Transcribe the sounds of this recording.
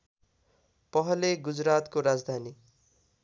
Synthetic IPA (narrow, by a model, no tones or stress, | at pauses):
pʌɦʌleɡud͡zrat̪koɾad͡zd̪ʱani